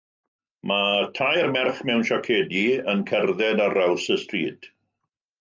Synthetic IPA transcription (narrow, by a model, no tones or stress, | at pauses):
matʰajrmɛrχmɛwnʃakʰeːdiənkʰɛrðɛdarawsəstriːd̥